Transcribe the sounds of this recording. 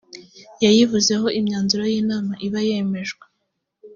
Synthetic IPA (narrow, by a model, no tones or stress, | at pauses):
jajivuze̞ɦo̞ʔimɲaːnzuɾo̞jiːnaːmaʔiβaje̞me̞ʒɡwe